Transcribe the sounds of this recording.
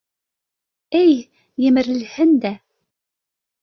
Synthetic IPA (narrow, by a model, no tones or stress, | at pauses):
ɘj | jɘ̆mɘ̆ɾɘ̆lhɘnd̪æ